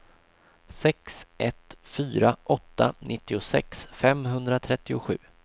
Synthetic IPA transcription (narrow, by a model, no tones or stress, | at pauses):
sɛksʔɛt̪fyːɾaʔɔt̪ːanʔɪt̪ːɪʊsɛ̰ksfɛmɦɵnd̪ɾat̪ʰɾɛt̪ːɪʊɧʉ̟ː